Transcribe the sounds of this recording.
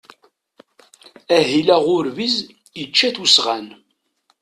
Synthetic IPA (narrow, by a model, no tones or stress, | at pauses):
æɦilæʁʊɾviz | jət͡ʃːæθusʁæn